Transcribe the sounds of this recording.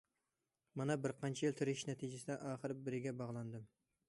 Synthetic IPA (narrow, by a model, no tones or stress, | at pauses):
mɑnɛbɪɾqʰɑnt͡ʃʰɛjɪlt̪ʰɪɾɪʃnɛt̪ʰid͡ʒɪsɪd̪ɛʔɑːχəɾbɪɾɪɡʲɛbɑʁlˠɑnd̪ɨm